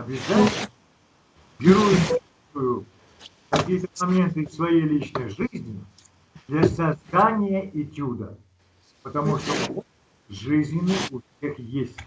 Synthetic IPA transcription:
ɐbʲɪzatʲɪɪəə | bʲɪɾujɪm | ʊjʊ | kɐkʲijət̪əmɐmʲe̞nt̪ɨsvɐjejlʲit͡ɕnəjʐɨzʲnʲɪ | d̪lʲɐsɐzd̪anʲɪjəʔit͡ɕʲud̪ə̰ | pət̪ɐmuʂt̪oon | ʐɨzʲnʲɪnɨjʊfsʲexjesʲtʲ

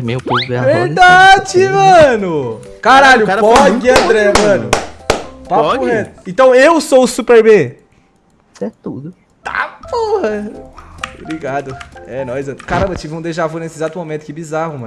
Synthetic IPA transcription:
mewpoeveɾd̪ad͡ʒɪmɐ̃nʊ | kaɾaʎʊapɔkɪɐ̃d̪ɾɛmɐ̃nʊ | pakuhet̪ẽt̪ɐ̃w̃ewsowsupeɾbẽ | sɛt̪ṵd̪ʊ | t̪a̰pohɐ | bɾiɡad̪ʊɛnɐ̃w̃ezat̪kaɾɐ̃mbɐt͡ʃivɪũd̪eʒavoɾnesɪezat̪ʊmomẽt̪ʊ̥kɛbizahʊmɐ̃n

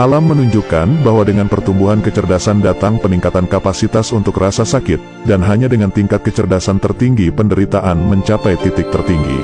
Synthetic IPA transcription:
ʔalamːənuɲd͡ʒukanbaɦwadəŋanpərt̪umbuɦankət͡ʃərdasandat̪aŋpəniŋkat̪ankapasit̪asunt̪ʊkrasasakɪt̪̚ | danɦaɲadəŋant̪iŋkat̪̚kət͡ʃərdasant̪ərt̪iŋɡipəndəɾit̪aʔanməɲt͡ʃapajt̪it̪ɪk̚t̪ərt̪iŋɡḭ

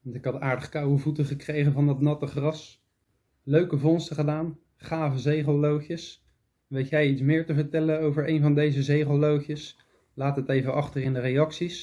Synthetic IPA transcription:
ʋɑntɪkɦɑtaːɹdəχkɑwəvutəχəkrejχəvɑndɑtnɑtəχrɑs | løɥkəvɔnstəχədaːn | χaːvəzejχəlˠlowχjəs | ʋejtjɛjitsmɪːɹtəvəɹtɛlənowvəɹejnvɑndejzəzejχəlˠlowχjəs | laːtɦətejvəʔɑχtərɪndərejɑksis

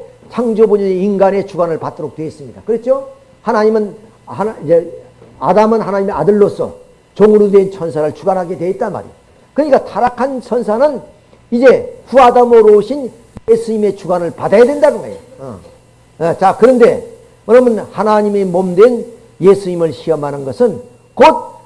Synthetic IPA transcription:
t͡ɕʰaŋd͡ʑoboɲʌɲeinɡane̞t͡ɕuɡanɯɭpat̚t͈ʌɾok̚t͈weːs͈ɯmɲidakɯɾet͡ɕ͈ʰo | hanaɲimɯn | hanid͡ʑe | adamɯnɦanaɲime̞adɯɭːosʰʌ̰ | t͡ɕoŋɯɾudwe̞nt͡ɕʰʌnsʰaɾɯɭt͡ɕuɡanɦaɡe̞dwe̞ːt̚t͈anma̰ɾḭjo | kɯɲik͈atʰaɾakʰant͡ɕʰʌnsʰanɯn | id͡ʑe̞ɸuadamoɾouɕʰin | jesʰuɲime̞t͡ɕuɡanɯɭpadajadwe̞ndaɡɯnɡa̰ḛjo | ʌ̰ | et͡ɕakɯɾʌnde̞ | ʌɾʌmɯnhanaɲimemʌmdwe̞n | jesʰuɲimɯɭɕʰiʌmanɯnɡʌsʰɯn | kot̚

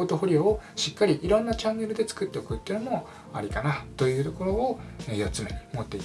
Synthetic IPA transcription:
t̪oɦoɾʲiooɕikːaɾʲiʔiɾõ̞nːat͡ɕãŋɡeɾɯd̪e̞t͡sɨ̥kɯt̪ːe̞okɯ̟t̪ːeiɯ̟nomo | a̰ɾʲikanat̪o̞jɯ̟ːt̪o̞ko̞ɾo̞ːejot͡sɨme̞mo̞t̪ːe̞i

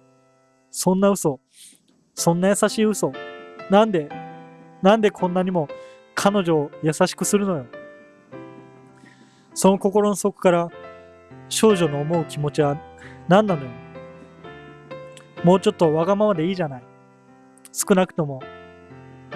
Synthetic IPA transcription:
sõ̞nːaɯ̟so̞ | sõ̞nːajasaɕiːɯ̟so̞nãnd̪e | nãnd̪e̞kʰõ̞nːaɲ̟imo̞ | kʰano̞ʑo̞ːjasaɕi̥kɯ̟sɨɾɯ̟no̞jo̞ | so̞no̞ko̞ko̞ɾo̞no̞so̞kɯ̟̥kaɾa | ɕo̞ːʑo̞noːmo̞ɯ̟kʲimo̞t͡ɕiβanãnːano̞jo | mo̞ːt͡ɕo̞t̪ːo̞βaɡamaβad̪e̞iːʑanai | sɨ̥kɯnakɯ̟̥t̪o̞mo̞

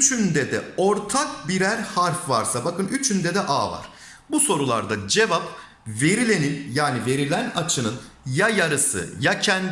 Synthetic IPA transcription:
t͡ʃʰynd̪ɛd̪ɛ̰o̞ɾt̪ʰak̚biɾæɾhaɾfvaɾsabakɯnyt͡ʃʰynd̪ɛd̪ɛʔaːva̰ɾ̥ | buso̞ɾulˠa̰ɾd̪ad͡ʒe̞vap̚ | ve̞ɾilʲe̞ninjaːnive̞ɾilʲænat͡ʃʰɯnɯnjajaɾɯsɯ̰jacʰɛnd̪

